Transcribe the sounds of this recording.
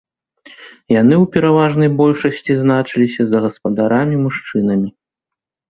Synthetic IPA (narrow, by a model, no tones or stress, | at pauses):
jan̪ɨwpʲɛɾavaʐn̪ɐjbɔlʲʂɐsʲt͡sʲiznat͡ʂɨlʲisʲɐzɐɣɐspɐd̪aɾamʲimuʂt͡ʂɨn̪ɐmʲi